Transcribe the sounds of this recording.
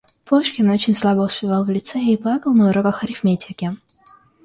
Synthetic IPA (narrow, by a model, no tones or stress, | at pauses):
pʰoʂkʲɪnot͡ɕɪnʲslˠabəʊspʲɪvalˠvlʲɪt̪sɛiplˠakəlˠnɐʊɾokəxɐɾʲɪfmʲetʲɪkʲɪ